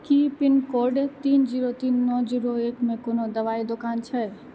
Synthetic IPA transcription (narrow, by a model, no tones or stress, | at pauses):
kiːpɪnkoːɾɖet̪iːnd͡ʒiːɾot̪iːnːɔːd͡ʒiːɾoeːkmẽkonod̪ɐʋaːid̪ʊkaːnt͡ʃʰɛ